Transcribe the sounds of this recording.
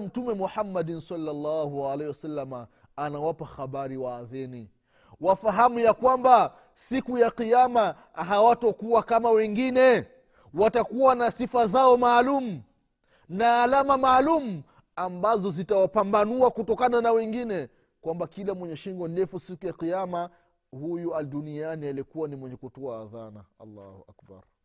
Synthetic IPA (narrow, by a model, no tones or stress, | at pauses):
m̩tumɛmuħamːadinsalːalːahualɛhiwasalːamaː | nawapaxaɓaɾiwaːðɛni | wafaɦamujakwamba | sikujaqijama | ɦawatɔkuwakamawɛŋɡinɛ | watakuwanasifazaɔmaːlumu | naːlamamaːlumu | ambazɔzitawapambanuakutɔkananawɛŋɡinɛ | kwambakilamwɛɲɛʃiŋɡɔndɛfusikujaqiama | hujuadunianialikuwanimwɛɲɛkutɔaːðana̰a̰lːa̰hua̰kba̰ɾ